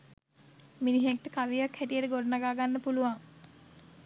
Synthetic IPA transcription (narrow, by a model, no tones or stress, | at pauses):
miniɦek̚ʈəkaʋijakhæʈijəʈəɡoɖɐnaɡaːɡanːəpuluʋaŋ